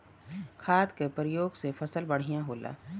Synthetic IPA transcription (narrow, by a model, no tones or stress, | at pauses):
kʰaːd̪kepɾɪjoːɡsefʰɐsəlbɐɽ̤ijãɦoːla̰ː